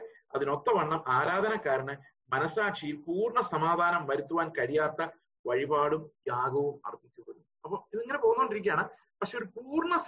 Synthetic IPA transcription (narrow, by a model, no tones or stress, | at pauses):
ɐðino̞t̪ːɐʋɐɳːɐmʔaːɾaːd̪ʱɐnɐkːaːɾɐɳɨ | mɐnɐsaːʈʂijilpuːrɳɐsɐmaːd̪ʱaːnɐmʋɐɾut̪ːuʋaːnkɐɻijaːt̪ːɐ | ʋɐɻibaːɽumjaːɡɐʋumɐ̰rt̪ːikʲːuʋɐɾunːuɐpːoːiðieŋːɐne̞poːɣunːɐoɳɖiɾik̬ʲːjaːɳɨ | pɐkʂe̞oɾupuːrɳɐs